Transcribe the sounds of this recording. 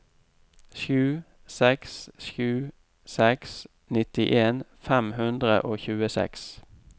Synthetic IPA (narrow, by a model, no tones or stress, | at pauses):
ʃʉː | sɛksʃʉː | sɛks | nɪt̪ɪʔeːnfæmhʉnd̪ʁə̰ʔoːçʉːəsɛ̰ks